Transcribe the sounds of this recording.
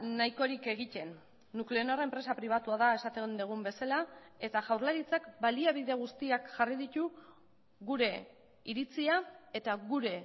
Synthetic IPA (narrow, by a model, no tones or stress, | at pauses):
najko̞ɾike̞ɣ̞it̪e̞nː | ukleonoraempɾe̞sapɾiβ̞at̪uað̞ae̞sat̪end̪eɣ̞umbe̞salae̞t̪aʝawɾlaɾit͡sakbaliaβiðe̞ɣ̞ust̪iakʝariðit̪u | ɣuɾe̞ | iɾit͡siae̞t̪aɣuɾe̞